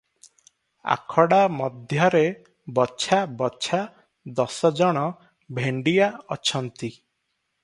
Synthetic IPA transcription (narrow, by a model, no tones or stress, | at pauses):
a̰kʰɔɽamɔd̪ʱjɔɾe | bɔt͡ʃʰabɔt͡ʃʰa | d̪ɔsɔd͡ʒɔɽ̃ɔ | bʱeɳɖijaɔt͡ʃʰɔnt̪i